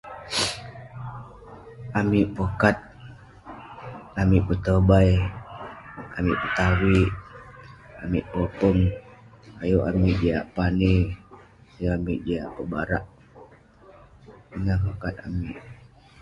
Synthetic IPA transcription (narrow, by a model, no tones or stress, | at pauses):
amiʔpokat̪̚ | amiʔput̪əbaj | amiʔpət̪awiʔ | amiʔpopɔŋ | ajuʔa̰miʔd͡ʒaja̰ʔpani | ajuamiʔd͡ʒaja̰ʔpəbaɾaʔ | iŋakokat̪̚a̰miʔ